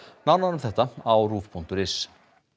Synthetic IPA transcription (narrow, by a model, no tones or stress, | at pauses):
nawnaɾʏmθɛht̪aawruːfpʰuŋ̥t̪ʏɾɪs